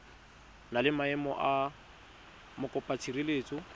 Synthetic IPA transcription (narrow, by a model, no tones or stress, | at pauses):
nalɪmaɛmɔ̰ʔa | mʊkʼɔpʼat͡sʰirileːt͡sʼɔ